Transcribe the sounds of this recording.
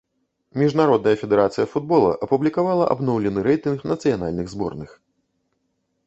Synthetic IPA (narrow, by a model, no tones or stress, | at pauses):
mʲiʐnaɾɔd̪nɐjɐfʲɛd̪ɛɾat̪sɨjɐfud̪̚bɔlˠɐ̰ʔɐpublʲikavalˠɐʔa̰bnɔwlʲɛnɨɾɛjt̪ɨnxnɐt̪sɨjana̰lʲnɨɣzbɔ̰rnɨx